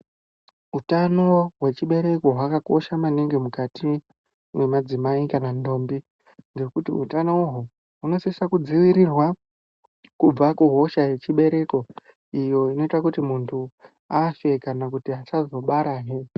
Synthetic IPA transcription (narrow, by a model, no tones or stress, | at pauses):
utano̞ɦwe̞t͡ʃiɓe̞ɾe̞ko̞ɦwakako̞ʃamaniŋɡemukatʰi | mwe̞mad͡zimaikanando̞mbi | ŋɡe̞kutiṵtanouɦu | ɦuno̞sisakud͡ziʋiɾirwa | kub͡vakuɦo̞ʃaje̞t͡ʃiɓe̞ɾe̞ko̞ | ijo̞ino̞itakutimuntʰu | aʃe̞kanak̬utiɦat͡ʃazo̞ɓaɾaːɦe